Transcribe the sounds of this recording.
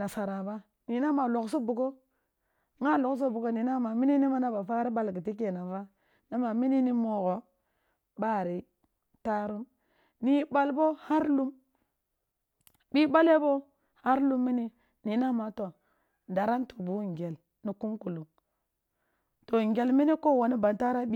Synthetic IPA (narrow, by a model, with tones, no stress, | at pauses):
na˨sa˨ɾa˨ba˦ | ni˨na˦ma˨lo˨kso˦bu˨ɡo˦ | ŋa˦lo˨ks̬o˦bu˨ɡo˦ni˨na˦ma˨mi˦ni˦ni˦ma˦na˦ba˨fa˦ɾi˦ɓa˦lɡi˨ti˦k̬e˨na˨va˦ | na˦ma˨mi˦ni˦ni˦mo˨ɣo˨ | ba˦˨ɾi˨ | ta˦ɾu˦m | ni˦ba˨lbo˦ha˦ɾlu˦m | ɓi˦ba˦le˦bo˦ | ha˦ɾlu˦mːi˦ni˦ | ni˨na˦ma˨to˨ | nda˨ɾa˦ntu˨bu˨˦˨ŋ˨ɡe˨l | ni˨ku˦mku˨lu˨ŋ | to˨ŋ˨ɡe˨lmi˦ni˦ko˦˨wo˨ni˦ba˨nta˦ɾa˦bi˦